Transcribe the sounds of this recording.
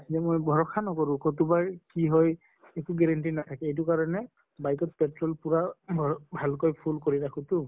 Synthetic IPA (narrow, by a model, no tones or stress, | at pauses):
zɛmojbʱɔɹɔkʰanɔkɔɹʊ̃kotubakiɦɔj | ekuɡɛɹantinatʰakɛejt̬ukaɹɔnɛ | bajkɔt̚pɛtɹɔlpuɹabʱbʱalkojpʰulkoɹitakʰũtʊ